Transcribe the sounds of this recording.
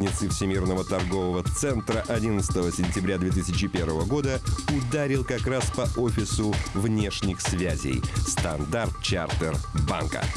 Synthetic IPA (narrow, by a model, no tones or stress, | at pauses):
nʲɪt̪sɨfsʲɪmʲirnəvət̪ɐrɡo̞vəvət̪sɛnt̪ɾəʔɐdʲinət̪sə̥t̪əvəsʲɪnʲtʲɪbɾʲad̪vʲet̪̬ɨsʲɪt͡ɕɪpʲervəvəɡo̞d̪əʊd̪aɾʲɪlˠkɐkɾaspɐʔo̞fʲɪsʊvnʲe̞ʂnʲɪxsvʲæzʲḛjst̪ɐnd̪art̪̚t͡ɕart̪ərba̰nkə̰